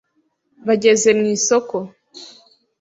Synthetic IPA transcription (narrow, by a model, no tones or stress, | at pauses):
βaɟe̞ze̞mŋiːsoko̞